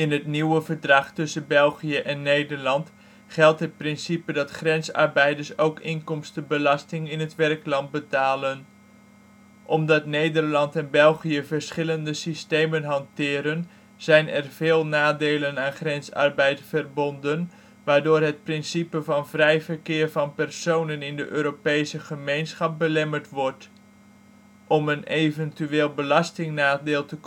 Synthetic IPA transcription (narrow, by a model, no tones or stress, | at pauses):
ɪnɦətniwəvəɹdrɑχtɵsənbɛlˠχijəʔɛnːejdəɹlɑnt | χɛlˠtɦət̚prɪnsipədɑtχrɛnsɑ̰rbɛjdəɹsowkɪŋkɔmstəbəlɑstɪŋɪnɦətʋɛrklɑnt̚bətaːlən | ʔɔmdɑtnejdərlɑntɛnbɛlˠχijəvəɹsχɪləndəsisteːmənɦɑntɪːɾən | z̥ɛjnɛrv̥eːlˠnaːdeːlənaːnχrɛnsɑ̰rbɛjtfərbɔndən | ʋaːɹdʊːrɦət̚prɪnsipəvɑnvrɛjvərkɪːrvɑnpɛrsownənɪndəʔøːɾopejsəχəmejnsχɑp̚bəlɛməɹtʋɔɹt | ʔɔmənejvəntyeːlˠbəlɑstɪŋnaːdɪːlˠtək